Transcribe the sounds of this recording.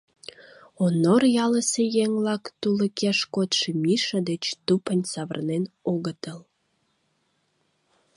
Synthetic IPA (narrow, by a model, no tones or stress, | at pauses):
onorjɑləsejeŋlɑkt̪uləkeʃkot̪ʃemiʃəd̪et͡ɕt̪upənʲsɑβə̰rnenoɣət̪əl